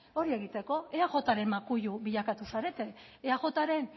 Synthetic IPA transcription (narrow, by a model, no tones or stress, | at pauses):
o̞ɾie̞ɣit̪e̞ko̞e̞aɣo̞t̪aɾe̞mmakuʎuβiʎakat̪usaɾe̞t̪e̞ːaʝo̞t̪aɾe̞n